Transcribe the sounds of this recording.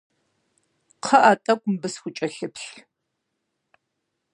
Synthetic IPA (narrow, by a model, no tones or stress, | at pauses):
qʰɐʔatʼɐkʷʼʊmbɨsxʷʊt͡ʃʼɐɬɨpɬ